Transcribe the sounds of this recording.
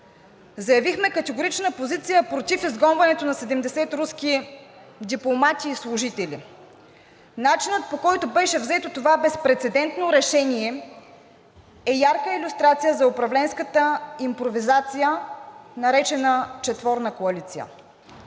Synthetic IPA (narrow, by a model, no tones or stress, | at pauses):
zɐjɐvixmɛkɐt̪ɛɡoɾit͡ʃnəpozit̪sijəpɾot̪ifizɡɔnvɐnɛt̪onɐsɛd̪ɛmd̪ɛsɛt̪ɾuski | d̪iplˠomat̪ʲiːslˠʊʒit̪ɛli | nat͡ʃinət̪̚pokɔjt̪obɛʃɛvzɛt̪ot̪ovabɛspɾɛt̪sɛd̪ɛnt̪noɾɛʃɛniɛ | ɛjaɾkəilʲust̪ɾat̪sijəzɐʊpɾɐvlɛnskət̪əimpɾovizat̪sijənɐɾɛt͡ʃɛnət͡ʃɛt̪vɔɾnəkoɐlit̪sijə̰